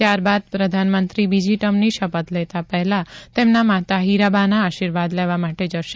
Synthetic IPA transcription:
t̪jaɾbad̪̚pɾəd̪ʱanmənt̪ɾibid͡ʒiʈəmniʃəpət̪lɛt̪apɛɦlãt̪emnamat̪aɦiɾabanaːʃiɾʋad̪leʋamaʈed͡ʒəʃe

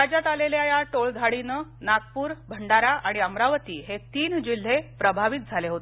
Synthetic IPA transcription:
ɾad͡ʑat̪aleljajaʈoɭd̪ʱaɭinənak̚puːɾbʱəɳɖaɾaaɽ̃iəmɾaʋət̪ḭːɦet̪iːnd͡ʑil̤ːepɾəbʱaʋit̪̚d͡zʱaleɦot̪e

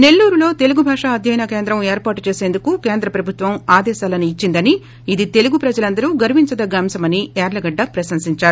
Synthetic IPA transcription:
ne̞lːuːɾulo̞ːt̪e̞luɡubʱaːʂɐɐd̪ʱjɐjɐnɐkeːnd̪ɾɐmeːɾpaːʈut͡ʃeːseːnd̪ukuke̞ːnd̪ɾɐpɾɐbʱut̪ʋɐmaːd̪ɛːʃaːlɐniːt͡ʃːind̪ɐni | id̪it̪e̞luɡupɾɐd͡ʒɐlɐnd̪ɐɾuɡɐɾuʋiɲt͡ʃɐd̪ɐɡɐːmsɐmɐniɛːɾlɐɡɐɖːɐpɾɐsɐmsiɲt͡ʃaːɾu

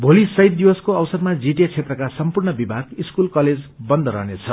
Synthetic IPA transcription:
bʱolisʌɦjt̪̚d̪ibʌskoʌwsʌd̪mad͡ziʈet͡sʰet̪rʌkasʌmpurɳʌbibʱaɡiskulkʌled͡zbʌnd̪ʱʌɾʌ̰ɦnet͡sʰʌ

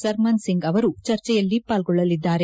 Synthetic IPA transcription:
sɐɾmɐnsiŋɡɐʋɐɾut͡ʃɐɾt͡ʃɛjɐlːipaːlɡɔɭːɐlid̪ːaːɾe̞

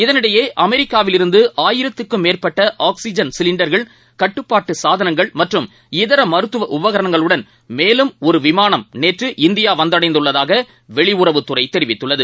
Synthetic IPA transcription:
ɪðɐnɪɽɐjeːʔɐmɛɾɪkːaːʋɪlɪɾɯnd̪ɯʔaːjɪɾɐt̪ːɯkːɯmːeːrpɐʈːɐʔaːksɪd͡ʒɐnsɪlɪɳɖɐɾɣɐɭ | kɐʈːɯpːaːʈːɯsaːðɐnɐŋɡɐɭmɐʈrɯm | ɪðɐɾɐmɐɾɯt̪ːɯʋɐʔʊʋɐɣɐɾɐnɐŋɡɐɭɯɽɐn | meːlɯmɔɾɯʋɪmaːnɐmneːʈrɯʔɪnd̪ɪjaːʋɐnd̪ɐɽɐɪnd̪ɯɭːɐðaːɣɐ | ʋɛɭɪʊrɐʋɯt̪ːɯrɐɪt̪ːɛɾɪʋɪt̪ːɯɭːɐðɯ

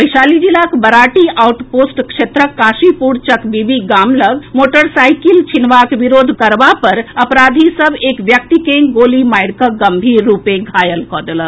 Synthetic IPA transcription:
pəjʃaːlid͡ʒilakbəɾaːʈiʔawʈpoːsʈkʃet̪ɾəkːaːʃipuɽt͡ʃəkbibiɡaːmləɡmoːʈəɾsaːjkilt͡ʃʰinʋakʋiɾoːd̪ʱkəɾbapəɾəpɾaːd̪ʱisəbeːkʋjək̚t̪ikeɡolimaːɪɽkəɡəmbʱiːɾːuːpeɡʱaːjəlkɔːd̪elə̃

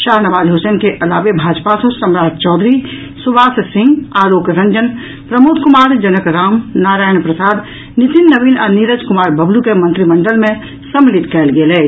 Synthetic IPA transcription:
ʃaːɦnəʋaːd͡ʒɦoːsənkeʔɐlaːʋebʱaːd͡ʒpasəsəmɾaːd͡ʒt͡ʃɔːd̪ɾi | suʋaːssɪ̃ŋɡaːloːkɾə̃ɲd͡ʒən | pɾəmoːd̪kʊmaːɾd͡ʒənəkɾaːmnaːɾaːjənpɾəsaːd̪ | nit̪inːəbinaːniɾəd͡ʒkʊmaːɾbʱəblukemə̃nt̪ɾiməɳɖəlmẽ | səmlit̪kɛːlɡelɛː

